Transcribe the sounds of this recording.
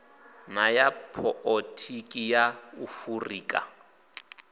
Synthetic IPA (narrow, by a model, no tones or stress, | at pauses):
najapʰɔʔɔtʰikʼijaufuriːkʼa̰